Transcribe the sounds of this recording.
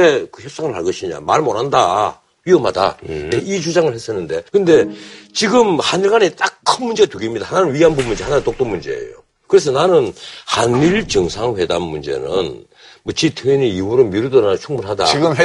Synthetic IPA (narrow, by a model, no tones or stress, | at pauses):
ekɯçjʌp̚s͈aŋɯɭhaɭɡʌɕʰiɲa̰maɾmoɾɦanda | ɥiɯmhada̰deʔit͡ɕud͡ʑaŋɯɭhe̞s͈ʌnːɯnde̞kɯnde̞t͡ɕiɡɯmhaniɭɡanet͈akkʰɯnmund͡ʑe̞atuɡimɲidahananɯnwiɦanbumːund͡ʑe̞hananɯnt͈ok̚t͈omund͡ʑe̞̰ḛjo̰ | kɯɾe̞s̬ʰʌnanɯnhaniɭt͡ɕɯŋsʰaŋɸwe̞damːund͡ʑe̞̰nɯ̰n | mʌt͡ɕitʰɯiɲiiuɾomiɾudɯɾat͡ɕʰuŋmuɭɦada̰iɡɯm